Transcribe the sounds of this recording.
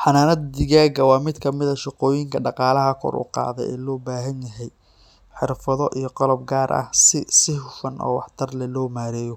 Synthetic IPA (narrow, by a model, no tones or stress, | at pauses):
ħɑnaːnɐd̪d̪ɪɣaːɣɐwɑːmɪd̪kʰɐmɪðɐʃɪqɔːjɪŋkʰɐɖɑqɑːlɐɦɐkʰɔ̰ɾʔʊ̰qɑ̰ːðɛ̰jɛ̰ːlɔːbaːɦɐnjɐɦɛj | ħɪrfɐðɔʔijɞqɔlɔb̚ɡaːɾʔɐ̰hsɪsɪhʊfɐnʔɔ̰ːwɑħt̪ʰɐrlɛlɔːmaːɾɛːjɔ